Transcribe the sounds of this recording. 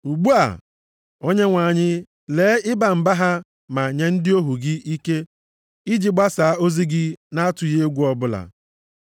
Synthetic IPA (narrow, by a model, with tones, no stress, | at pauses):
u˨ɡ͡bu˦a̰˨ | o˦ɲe˦ŋʷa˨ɲɪ˦ | leː˨˦ɪ˦ba˨m̩˨ba˦ɦa˦ | ma˨ɲe˨n̩˦dɪ˦o˦ɦu˨ɡɪ˦ʔi˦ke˦ | i˦d͡ʒi˦ɡ͡ba˦sa˨˦o˦zi˦ɡɪ˦na˦a˦tʊ˨je˦e˦ɡʷu˦ɔ˨bʊ˦la̰˨